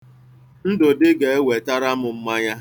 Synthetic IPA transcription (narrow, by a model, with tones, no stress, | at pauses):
n̩˦dʊ˨dɪ˦ɡe˨e˦we˨ta˦ɾa˦mʊ˨m̩˦ma˦ɲa˦